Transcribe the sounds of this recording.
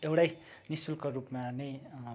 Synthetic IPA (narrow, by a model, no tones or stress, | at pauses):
ewɽajnisulkorupmanʌ